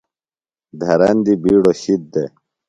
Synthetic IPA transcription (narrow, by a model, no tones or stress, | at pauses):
d̪ʱɐɾɐnd̪ibiːɽoɕit̪̚d̪e